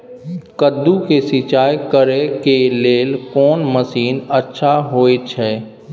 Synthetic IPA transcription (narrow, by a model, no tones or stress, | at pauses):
kəd̪ːukesɪt͡ʃaːjkəɾekeleːlkɔːnməsiːnətːʃʰaɦoːet͡ʃʰɛː